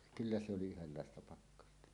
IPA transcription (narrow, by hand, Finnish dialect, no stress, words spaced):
kylːæ se oli yhelːɑˑestɑ pɑkːɑstɑ